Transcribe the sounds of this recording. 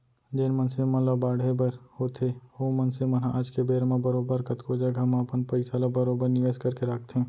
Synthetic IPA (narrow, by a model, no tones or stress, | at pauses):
d͡ʒeːnmənseməlabaːɽebəɾhoːt̪ʰeomənsemɐnãʔaːd͡ʒkebeːɾmãbəɾoːbəɾkɐt̪kod͡ʒəɡɦɐmapənpəɪsalabəɾoːbəɾnɪʋeːskɐɾkeɾaːk̚ʰt̪ɦɛ̃